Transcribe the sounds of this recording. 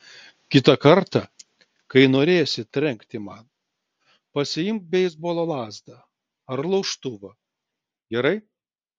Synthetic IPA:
kʲɪt̪ɐkɐɾt̪ɐ | kɐɪnoːɾʲeːjsʲɪt̪ʲɾʲɛŋkt̪ʲɪmɐn | pɐsʲɪjɪmkbʲɛjɪzboːlˠoːlˠɑːzd̪ɐ | ɐɾlˠɐʊʃt̪ʊʋɐ | ɡʲɛɾɐɪ

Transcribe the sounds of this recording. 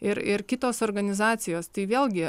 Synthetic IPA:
ɪɾɪrkʲɪt̪oːsoːrɡɐnʲɪzɑːt̪t͡s̪ʲɪjoːst̪ɐɪʋʲeːlˠʲɡʲɪ

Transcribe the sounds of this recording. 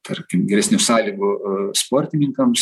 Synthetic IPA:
t̪ɐrʲkʲɪmɡʲɛɾʲɛsnʲusɑːlʲiːɡʊspoːɾʲt̪ʲɪnʲɪŋkɐms

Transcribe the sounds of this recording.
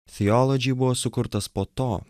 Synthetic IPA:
θʲɪjɔlˠɔd͡ʒʲɪːbʊʋoːsʊkʊɾt̪ɐspoːt̪oː

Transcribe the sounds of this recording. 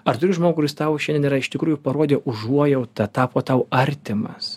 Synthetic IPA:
ɐɾt̪ʊɾʲɪʒmoːɡʊkːʊɾʲɪst̪ɐʊʃʲɛndʲeniɾɐɪʃt̪ʲɪkɾuːjʊpɐɾoɔːd̪ʲeʔʊʒuɔjɛʊt̪ɐt̪ɑːpoːt̪ɐʊɐɾʲt̪ʲɪmɐ̰s

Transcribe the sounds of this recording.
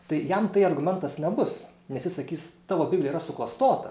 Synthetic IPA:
t̪ɐɪjɛmt̪ɐɪɐrɡʊmʲɛnt̪ɐsnʲɛbʊsnʲɛsʲjɪsɐkʲiːst̪ɑːʋoːbʲibʲlʲɛiɾɐsʊklˠɐst̪oːt̪ɐ

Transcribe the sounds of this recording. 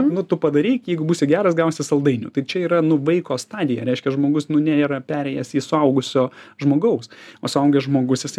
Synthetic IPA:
nʊt̪ʊpɐd̪ɐɾʲiːkjɛɪɡʊbuːsʲɪɡʲæːɾɐsɡɐʊsʲɪsɐlˠd̪ɐɪnʲʊ̰t̪ɐɪt͡ʃʲɛiːɾɐnʊʋɐɪkoːst̪ɑːd̪ʲɪjɛɾʲɛɪʃʲkʲɛʒmoːɡʊsnʊnʲæiːɾɐpʲæːɾʲɛɪjɛsiːsʊɐʊɡʊsʲoːʒmoːɡɐʊsosʊɐʊɡʲɛʒmoːɡʊsjɪsɐɪ

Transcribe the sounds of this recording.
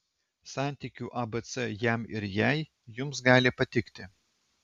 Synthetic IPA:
sɑˑnʲt̪ʲiˑkʲuːʔɐbɛt̪sɛjæmɪɾjæɪ | jʊmsɡɑːlʲɪpɐt̪ʲɪkt̪ʲɪ

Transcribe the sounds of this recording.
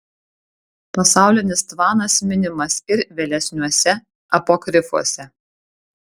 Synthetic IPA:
pɐsɑˑʊlʲɪnʲɪst̪ʋɑːnɐsmʲɪnʲɪmɐsɪɾʋʲeːlʲɛsʲnʲuɔsʲɛ | ɐpoːkɾʲɪfṵɔsʲɛ

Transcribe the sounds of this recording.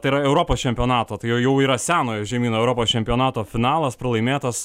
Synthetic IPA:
t̪ɐɪiɾɐɛʊɾoːpoːst͡ʃʲɛmʲpʲɪoːnɑːt̪oːt̪ɐɪjjɛʊiːɾɐsʲæːnoːjoːʒʲɛmʲiːnoːɛʊɾoːpoːst͡ʃʲɛmʲpʲɪoːnɑːt̪oːfʲɪnɑːlˠɐspɾɐlˠɐɪmʲeːt̪ɐs

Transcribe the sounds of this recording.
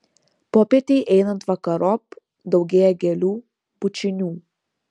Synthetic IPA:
pɔpɛt̪iʔɛnənt̪vakɐɾɔp̚ | d̪ɔwɡeɛɡɛlu | b̥ut͡ʃinʲu

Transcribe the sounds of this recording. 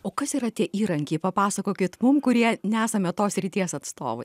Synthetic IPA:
oːkɐsiːɾɐt̪ʲiɛʔiːɾɐŋʲkʲeɪpɐpɑːsɐkoːkʲɪt̪mʊmkʊɾʲiɛnʲɛæːsɐmʲɛt̪oːsʲɾʲɪt̪ʲiɛsɐt̪st̪o̰ːʋɐɪ

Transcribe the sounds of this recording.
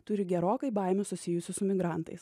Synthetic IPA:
t̪ʊɾʲɪɡʲɛɾoːkɐɪbɐˑɪmʲɛsʊsʲɪjʊsʲɪsʊmʲɪɡɾɑˑnt̪ɐɪs

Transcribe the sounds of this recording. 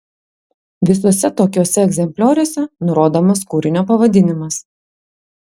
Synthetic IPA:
ʋʲɪsoɔsʲɛt̪oːkʲoːsʲɛɛɡzʲɛmʲpʲlʲoːɾʲoːsʲɛnʊɾoːd̪oːmɐskuːɾʲɪnʲoːpɐʋɐd̪ʲɪnʲɪmɐs

